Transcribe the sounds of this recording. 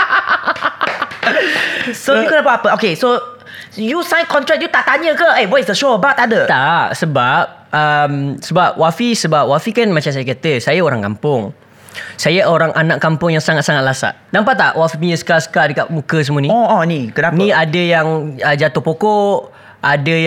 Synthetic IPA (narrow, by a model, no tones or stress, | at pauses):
soukənapəapəokeso | jusãjnkɔnt̪ɾɛk̚jut̪aʔt̪aɲəkəewɔsdəʃoəbat̪adət̪aʔsəbap̚əmsəbap̚wafisəbap̚wafikanmat͡ʃams̬ajakat̪əsajaoɾaŋkampʊŋ | sajaʔoɾaŋʔanakːampʊŋjaŋsaŋat̪̚saŋat̪̚lasa̰ʔdampat̪ːaʔwafimiɲəsə̥kasə̥kadəkaʔ̚mukəs̬əmuanĩɔɔnĩkənanĩadəjaŋəd͡ʒat̪ʊhpokɔʔ | ʔadəj